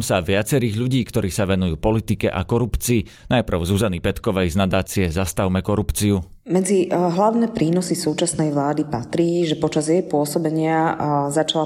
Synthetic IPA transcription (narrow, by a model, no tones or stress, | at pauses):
msaʋɪat͡sɛɾiːɣʎuɟiːkt̪ɔɾiːsaʋɛnujuːpɔlit̪ikɛʔa̰kɔɾupt͡siː | najpr̩ʊzuzanipɛt̪kɔʋɛjznad̪aːt͡siɛzast̪aʊmɛkɔɾupt͡siu | mɛd͡ziɦlaʊnɛːpɾʔiːnɔsisuːt͡ʃasnɛjʋlaːd̪ipat̪ɾiːʒɛpɔt͡ʃazjɛjpʊɔsɔbɛɲɪazat͡ʃala